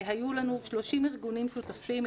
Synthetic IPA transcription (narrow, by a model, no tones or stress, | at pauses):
ɦajulanuʃlo̞ʃimiʁɡunimʃutafim